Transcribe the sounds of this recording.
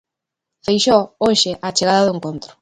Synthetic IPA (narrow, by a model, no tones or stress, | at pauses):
fejʃooʃɪʔat͡ʃeɣaðaðʊeŋkont̪ɾʊ̥